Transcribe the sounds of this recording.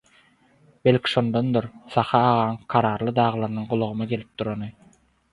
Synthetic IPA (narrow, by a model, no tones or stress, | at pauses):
b̥elʲkʲʰi̥ʃo̞nd̪ond̪uɾsɑχɑːʁɑŋqʰɑɾɑːɾlˠɯd̪ɑːʁɯlˠɑɾɯnɯŋɢulˠuʁɯmɑɡe̞lʲip̚d̪uɾonɯ